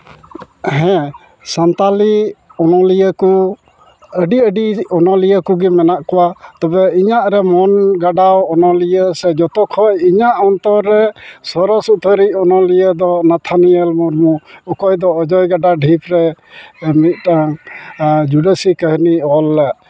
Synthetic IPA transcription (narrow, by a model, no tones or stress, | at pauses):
ɦɛ̃ | sant̪aliɔnɔlijəku | əɖiəɖiɔnɔlijəkuɡimɛnaʔkɔwat̪ɔbɛiɲaʔɾɛmɔnɡaɖawɔnɔlijəsɛd͡ʒɔt̪ɔkʰɔjiɲaʔɔnt̪ɔɾːɛsɔɾɔsut̪ʰəɾicɔnɔlijəd̪ɔnat̪ʰaniəlmuɾmuɔkɔjd̪ɔːd͡ʒɔjɡaɖaɖʱipɾɛ | mit̪̚ˀʈaŋ | d͡ʒuɖəsikəɦniɔlːəʔ